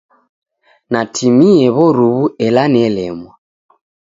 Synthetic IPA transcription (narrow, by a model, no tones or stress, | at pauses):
natʰimiɛβɔɾuβuɛlanɛlɛmwa